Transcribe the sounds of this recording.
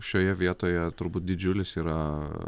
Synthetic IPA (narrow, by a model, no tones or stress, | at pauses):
ʃʲoːjɛʋʲiɛt̪oːjɛt̪ʊɾbuːt̪̚d̪ʲɪd͡ʒʲʊlʲɪsiːɾɐ